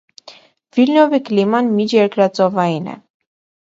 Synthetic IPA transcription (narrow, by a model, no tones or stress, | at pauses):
vilnɔviklimɑnmit͡ʃjɛɾkɾɑt͡sɔvɑinɛ̰